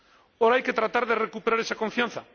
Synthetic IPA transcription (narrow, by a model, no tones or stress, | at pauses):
oɾaajket̪ɾat̪aɾðerekupeɾaɾesakoɱfjãn̟θa̰